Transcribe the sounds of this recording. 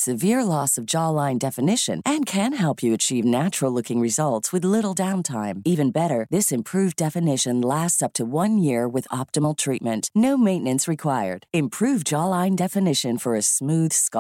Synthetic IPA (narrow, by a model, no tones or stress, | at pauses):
sɨvɪɹlɔsʌvd͡ʒɑlãɪ̃ndɛfɨnɪʃɨ̰̃nɨ̃nkʰɨ̃nɦɛlˠpʰjɨɨt͡ʃʰivnæt͡ʃɹl̩ˠlʊkɪ̃ŋɹɨzʌlˠtswɨðlɪɾl̩ˠdãʊ̃ntʰãɪ̃mivɨ̃nbɛɾə˞ðɪsɨ̃mpʰɹ̥ʉvdɛfɨnɪʃɨ̃nlæstsʌp̚tʰəwʌ̃njɪɹwɨðɑp̚təml̩ˠtʰɹ̥it̚mɨ̃nʔnoʊmẽɪ̃nɨ̃nsɹɨkʰw̥aɪə̰˞d̥ɨ̃mpʰɹ̥ʉvd͡ʒɑlˠãɪ̃ndɛfɨnɪʃɨ̃nfə˞ɨsmʉð̥sk